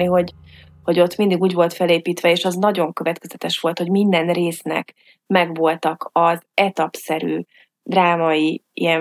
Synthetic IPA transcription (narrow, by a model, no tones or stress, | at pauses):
iɦo̞ɟ | ho̞ɟo̞t̪mind̪iɡuːɟvo̞lt̪fɛleːpiːt̪ʋɛeːʃɒznɒɟo̞ŋkø̞vɛt̪kɛzɛt̪ɛʃʋo̞lt̪ho̞ɟmind̪ɛnreːsnɛ̰k | mɛɡvo̞lt̪ɒkɒzɛt̪ɒpsɛɾy̰ː | d̪raːmɒiḭjɛn